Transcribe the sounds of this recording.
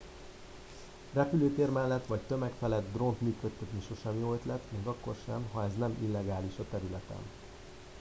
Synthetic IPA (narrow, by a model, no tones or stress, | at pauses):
rɛpyløːt̪eːrmɛlːɛt̪ːʋɒc̚t̪ø̞mɛkfɛlɛd̪d̪ro̞nt̪myːkøt̪ːɛt̪niʃo̞ʃɛmjoøt̪lɛt̪meːɡɒkːo̞̰rʃɛmɦɒɛznɛmʔilːɛɡaːliʃɒt̪ɛɾylɛt̪ɛ̰n